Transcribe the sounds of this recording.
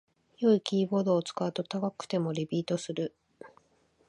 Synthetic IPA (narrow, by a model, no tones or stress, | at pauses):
jo̞ikʲiːbo̞ːd̪o̞ːt͡sɨ̥kaɯt̪o̞t̪akakɯ̟̥t̪e̞mo̞ɾʲibʲiːt̪o̞sɨɾɯ̟